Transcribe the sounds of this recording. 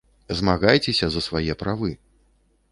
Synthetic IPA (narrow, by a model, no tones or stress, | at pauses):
zmaɣajt͡sʲɛsʲɐzɐsvajɛpɾavɨ